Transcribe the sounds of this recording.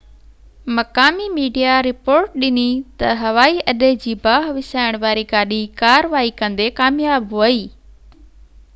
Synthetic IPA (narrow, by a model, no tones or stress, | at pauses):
mɐkaːmimiːɖijaɾɪpoːɾʈ̚ɗɪnit̪ɐɦɐʋaːiʔɐɗed͡ʑiːbaːɦʋɪsaːɪɽ̃ʋaːɾikaːɗikaːɾəʋaːikɐ̃nd̪ekaːmjaːbɦʊəiː